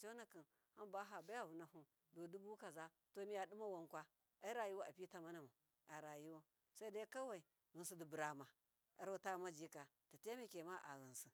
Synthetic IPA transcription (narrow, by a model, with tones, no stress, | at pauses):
t͡ʃo˦na˨ki˨n | ha˦mba˦ɦa˨ba˦ja˦vu˨na˨ɦu˦ | do˨du˦bu˦ka˨za˦ | to˨˦mi˦ja˨du˦ma˦wa˦nkʷa˦ | a˦i˦ɾa˨ji˦wa˦a˨pi˦ta˨ma˦na˨ma˨ | a˨ɾa˨ji˦wo˦ | sa˦i˦da˦i˦ka˦wa˨i˨ | ɣɨ˨nsi˨di˨bu˨ɾa˨ma˨ | a˨ɾo˦˨ta˦ma˦d͡ʒi˦ka˨ | ta˨te˦me˦ke˨ma˦ʔa̰˨ɣi˨nsi˨